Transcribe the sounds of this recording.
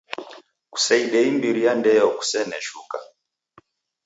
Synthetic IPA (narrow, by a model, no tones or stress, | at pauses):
ku̥saiɗɛimbiɾijandɛjɔku̥sɛnɛʃuka